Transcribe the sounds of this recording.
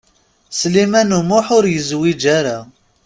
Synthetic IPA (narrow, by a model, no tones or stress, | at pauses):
slimænumʊħʊɾjəzwid͡ʒaɾa